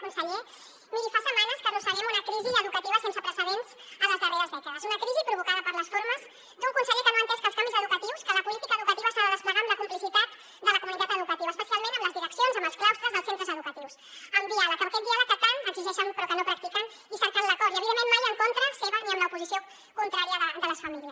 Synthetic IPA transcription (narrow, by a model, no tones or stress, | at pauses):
kunsəʎe | nilifasəmanəskəkunsəʎɛmunəkɾiziəðukət̪iβəsensəpɾəsəðenz̥ | ələzðəreəzβɛkaəzunəkɾizipɾuβ̞ukaðəpəɾləsfoɾməz | d̪uŋkunsəʎekənoənt̪ɛskəlˠskamizəðukət̪iwskələpulit̪ikəːðukət̪iβəst̪aðəðəspləɣanləkumplisit̪at̪ | d̪ələkumunit̪at̪əðukət̪iβɐəspəsialˠmẽnəmləzðiɾəksionzəməlˠsklawst̪ɾəzðəlˠsent̪ɾəzəðukət̪iws | əmd̪ialəkpəɾkɛt̪̚d̪ialək̚ːət̪anəɡziʒɛʃəmpɾɔkənopɾəkt̪ikən | isəɾkanləkɔɾiəβiðemːenmajəŋkont̪ɾəseβəniəmləupuzisio | kunt̪ɾaɾiəðəd̪ələsfəmiliəs